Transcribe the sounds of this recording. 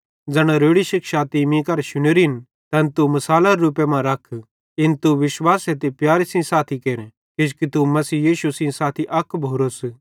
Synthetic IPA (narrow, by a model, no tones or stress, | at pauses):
d͡zɐɽ̃aɾoːɽiʃɪkʃaːt̪imĩkɐɾʃʊɽ̃eɾɪn | t̪ɛ̃nt̪umɐsaːlaɾɾuːpemãɾɐkʰ | ɪnt̪uʋɪʃwaːset̪epjaːɾisĩsaːt̪ʰikeːɾɛ̃ | kɪd͡ʒkit̪umɐsiːjiːʃusĩsaːt̪ʰiʔɐkʰbʱoːɾos